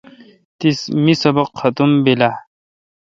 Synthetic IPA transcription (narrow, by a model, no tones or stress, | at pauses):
t̪ismisɐbɐqhɐt̪umbila